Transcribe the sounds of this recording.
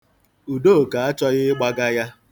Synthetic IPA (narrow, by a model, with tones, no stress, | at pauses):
u˨do˦˨ka˨a˦t͡ʃɔ˦ɣɪ˦ɡ͡ba˦ɡa˦ja˦